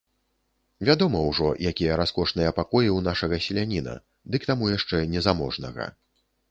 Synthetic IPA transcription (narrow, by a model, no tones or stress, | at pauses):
vʲad̪ɔmɐwʐɔjakʲijɐɾaskɔʂnɨjɐpakɔjiwnaʂɐɣɐsʲɛlʲanʲinɐ̰ | d̪ɨkt̪amujaʂt͡ʂɛnʲɛzamɔʐnɐ̰ɣɐ̰